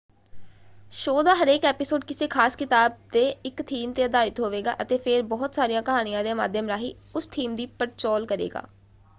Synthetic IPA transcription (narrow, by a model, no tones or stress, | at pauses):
ʃoːd̪aːɦəɾeːkɛːpɪsoːɖkɪseːkʰaːskɪt̪aːb̚d̪eːɪkt̪ʰiːmt̪eːd̪aːɾɪt̪ɦoːʋeːɡa̰ːʔət̪eːpʰeɾbɔːt̪saːɾijãːkəɦaːñɪjãːd̪eːma̰ːd̪ʱjəmɾaːɦḭː | ʊst̪ʰiːmd̪iːpəɾt͡ʃɔːlkəɾḛːɡa̰ː